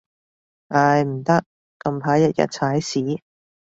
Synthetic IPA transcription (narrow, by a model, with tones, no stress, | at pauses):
ʔa˧jm̩˨˩t̪ɐ˥k̚ː | kːɐ˧mpʰaː˨˥jɐ˥t̚jɐ̰˨t̚t͡sʰaː˨˥jsiː˨˥